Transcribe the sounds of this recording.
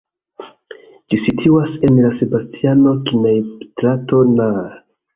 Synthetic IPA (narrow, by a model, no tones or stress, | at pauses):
d͡ʒisitʰuase̞nlase̞bastʰiano̞kinajtɾato̞na